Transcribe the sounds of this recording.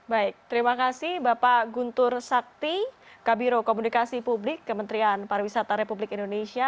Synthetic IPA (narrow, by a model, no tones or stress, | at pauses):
baɪk̚t̪əɾimakasɪhbapaɡunt̪ʊrsak̚t̪i | kabiɾokomunikasipublɪkːəmənt̪ɾianpaɾawisat̪aɾepublɪkindonesia